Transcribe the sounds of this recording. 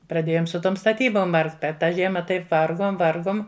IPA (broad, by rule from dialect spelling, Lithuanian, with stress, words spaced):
prɐˈdʲeːjoːm sʊ ˈtoːm stɐˈtʲiːboːm ˈʋɐrkt ˈpʲɛr ˈtɑː ˈʒʲiɛmɐ ˈtɐɪp ˈʋɐrɡoːm ˈʋɐrɡoːm